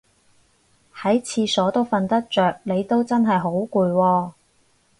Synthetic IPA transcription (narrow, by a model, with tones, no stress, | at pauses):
hɐ˨˥jt͡sʰiː˨˧sɔː˨˥t̪o˥wfɐ˧nt̪ɐ˥k̚t͡ʃœː˨k̚ne˨˧jt̪o˥wt͡sɐ˥nɦɐ˨jɦo˨˥wkuː˧jwɔː˧